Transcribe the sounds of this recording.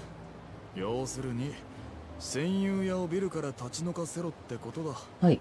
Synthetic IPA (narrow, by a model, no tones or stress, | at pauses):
jo̞ːsɨɾɯ̟ɲ̟i | sẽ̞ɰ̃jɨːjaobʲiɾɯ̟kaɾat̪at͡ɕino̞kase̞ɾo̞t̪ːe̞ko̞t̪o̞d̪a | hai